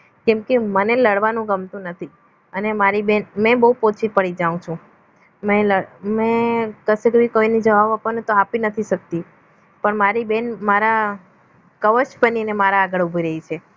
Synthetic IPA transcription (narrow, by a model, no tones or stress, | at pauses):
kɛmkeməneləɽʋanũɡəmt̪ũnət̪ʰi | ənemaɾibenmɛ̃bəɦupot͡ʃʰipəɽid͡ʒaũt͡ʃʰũ | mɛ̃ləmɛ̃kəsekəʋikoinid͡ʒəʋaʋapənet̪oapinət̪ʰiʃək̚t̪i | pəɳmaɾibenmaɾa | kəʋəʃbəninemaɾaːɡəɭubʱiɾəɦit͡ʃʰe